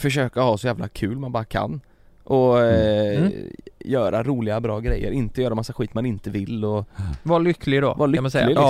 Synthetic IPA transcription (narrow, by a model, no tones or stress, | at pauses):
fœʂøːkahɑːsɔjæːvlakʰʉ̟ːlmanbɑːɾakʰa̰nː | ʔɔ | jœːɾʔaɾuːlɪɡabɾɑːɡɾɛ̰jːə̰ɾɪnt̪əjœːɾamasːaxɧwiːt̪manɪnt̪əvɪlːɔvaɭʏkːlɪɡd̪ɔ̰valʏmasɛɪɡ